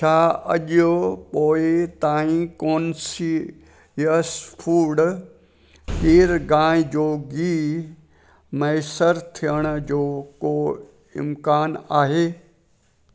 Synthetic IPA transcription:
t͡ʃʰaːɐ̰ʄjopoːɪt̪aːĩkoːnsi | jəspʰuːɖ | kiːɾɡãːɪ̃d͡ʑoːɡiː | mɐjsəɾt̪ʰijəɽ̃d͡ʑoːko | ɪ̰mkaːnaːɦeː

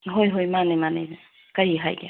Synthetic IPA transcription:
ɦojɦojmanemanḛ | kajiɦa̰jɡḛ

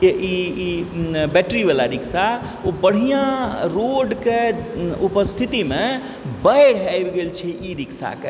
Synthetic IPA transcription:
eʔiibɛʈɾibelaɾiksa | ubəɽ̤ijãɾoɖkeupəst̪ʰit̪ime | bəjɽ̤ajbɡelt͡ʃʰɛiɾiksa̰ke

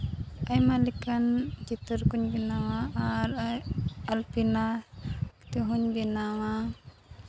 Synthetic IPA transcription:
ajmalikant͡ʃit̪əɾkuɲbinawaaɾ | alpinast̪uɦuɲbinawa

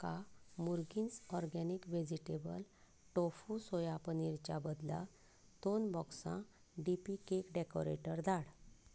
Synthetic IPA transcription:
kamuɾɡinsɔɾɡɛnikʋed͡ʑiʈebə̰l | ʈofusojapəniɾt͡ɕabəd̪la̰ | d̪onbɔksã̰ | ɖipikekɖɛkoɾḛʈəɾd̪aɽ

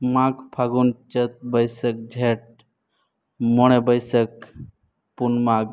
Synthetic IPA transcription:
mãkpʰaɡunt͡ʃət̪̚bəjsək̚d͡ʒʱeʈ̚ | moɽ̃ebəjsək̚ | punmaɡ

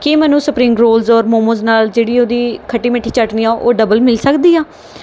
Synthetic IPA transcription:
kɪmɛːnũːsəpɾiːmɡɾoːlzɔːɾmoːmoznaːld͡ʒeːɽiːoːd̪iːkʰəʈːiːmeʈʰiːt͡ʃəʈniːãːʔoːɖəbəlmɪlsəkd̪iːaː

